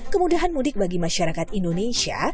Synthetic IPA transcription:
kəmudaɦanmudɪk̚baɡimaʃaɾakat̪indonesia̰

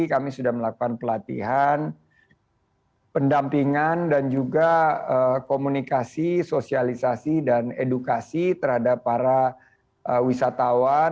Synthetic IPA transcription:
kamisudahməlakukanpəlat̪ḭɦan | pəndampiŋandand͡ʒuɡaəkomunikasisosialisasidanedukasit̪ərhadapːaɾa | ʔəwisat̪awa

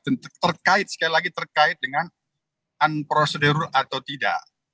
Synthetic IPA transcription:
ənt̪ərkaɪt̪̚sə̥kalilaɡit̪ərkaɪt̪̚dəŋan | anpɾosədəɾuʔat̪awt̪ida̰ʔ

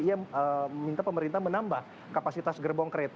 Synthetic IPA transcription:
iaəəmint̪apəməɾint̪ahmənambah | kapasit̪asɡərbɔŋkəɾet̪

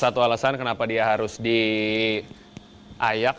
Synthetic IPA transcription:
at̪ualasankənapadiaɦaɾʊsdi | ʔajak

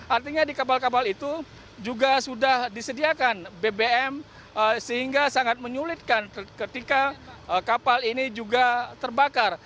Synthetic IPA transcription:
ʔart̪iɲadikap̬alkap̬alit̪u | d͡ʒuɡasudahdisədiakanbebeɛm | əsəhiŋɡasaŋat̪̚məɲulɪt̪̚kankət̪ikaəkapalinid͡ʒuɡat̪ərbakar

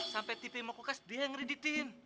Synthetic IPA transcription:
sampɛt̪ipimokukasdiaŋridit̪iɦɪn

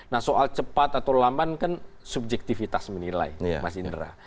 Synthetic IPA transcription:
nahsoʔalt͡ʃəpat̪at̪awlambankan | sub̚d͡ʒɛk̚t̪ifit̪asmənila̰imasindəɾa̰

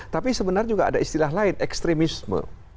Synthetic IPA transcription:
t̪apisəbənard͡ʒuɡaa̰daist̪ilaɦlaɪnɛkst̪ɾemismə̰̃

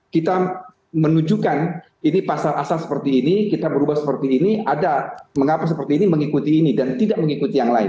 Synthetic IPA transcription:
kit̪a | mənud͡ʒukan | inipasala̰salsə̥pərt̪iːnikit̪abəɾubahsəpərt̪iːniadaməŋapas̬əpərt̪iːniməŋikut̪iːnidant̪idaʔməŋikut̪ijaŋlaɪ̰n

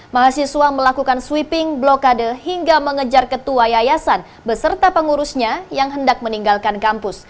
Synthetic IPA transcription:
maɦasisuaməlakukanswipɪŋblokadəhiŋɡaməŋəd͡ʒarkət̪uajajasan | bəsərt̪apəŋuɾusɲajaŋɦəndak̚məniŋɡalkankampʊs

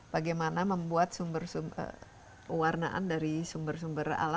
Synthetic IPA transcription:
b̥aɡajmanaməmbuat̪̚sumbərsum̰ | kəwarna̰ʔa̰ndaɾisumbərsumbəɾa̰la

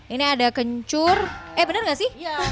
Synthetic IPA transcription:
iniadakəɲt͡ʃʊrɛhbənərŋɡaʔsɪh

